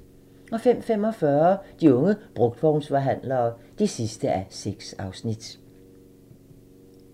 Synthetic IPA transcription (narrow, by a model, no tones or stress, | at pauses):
ɒ̽fem̰fem̰ɒ̽fɶɐd̥iɔ̽ŋəb̥ʁɔ̽ɡ̥̚d̥b̥ɒʊnsʋɑɦæn̰lɐː | d̥isisd̥əʔæse̝ɡ̥sɑ̈ʊsnid̥